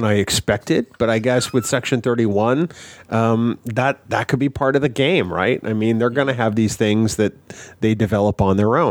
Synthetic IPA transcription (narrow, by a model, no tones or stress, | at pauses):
naɪɨkspɛk̚tɪd̚b̥ʌɾaɪɡɛswɨð̥sɛkʃɨ̃nθɜ˞ɾiwʌ̃nʔʌ̃mðət̪̚ðɨt̚kʰɨd̚bipʰɑɹɾʌvðɨɡẽɪ̃mɹa̰ɪt̚a̰ɪmĩnðə˞ɡʌnɨɨvðiz̥θɪ̃ŋzðɨt̪̚ðeɪdɨvɛlˠəpn̩ðə˞õʊ̃